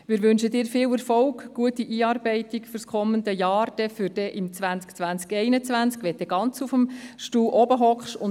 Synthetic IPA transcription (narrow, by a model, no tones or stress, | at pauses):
ʋɪːɾʋʏnʃədɪːɾfɪːwɛɾfɔʊɡɡ̥uətiʔiːɑːɾbɛɪtikfyɾskʰɔməndəjɑːɾd̥ɛfyɾd̥ɛʔɪmt͡sʋænt͡skt͡sʋænt͡skɛɪnət͡sʋænt͡skʋɛt̚dɛɡ̥ɑnt͡sufəmʃtuːʔɔbəɦɔkχʃʊn